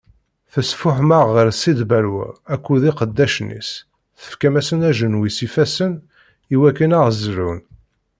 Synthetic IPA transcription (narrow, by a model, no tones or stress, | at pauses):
θəsfʊħməʁːəɾsid̪bæɾwæ̰ækʷːuðiqəd̪ːæʃnḭs | θə̥fkæmæsənæʒənwisifæsən | iwækːənaʁzɾun